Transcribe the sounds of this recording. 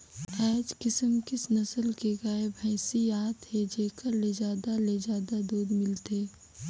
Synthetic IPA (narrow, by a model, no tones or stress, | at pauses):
ɛːd͡ʒkɪsəmkɪsnɐsəlkeɡaebʱɛːsiaːt̪ɦed͡ʒeːkəɾled͡ʒaːd̪aled͡ʒaːd̪ad̪uːd̪mɪlt̪eː